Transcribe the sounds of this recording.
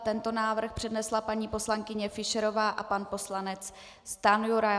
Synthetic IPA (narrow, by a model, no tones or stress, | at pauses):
t̪ɛnt̪o̞naːvr̩xpr̥ɛdnɛslapaɲiːpo̞slaŋkɪɲɛfɪʃɛɾo̞vaːʔapanpo̞slanɛt͡s | st̪anjuɾa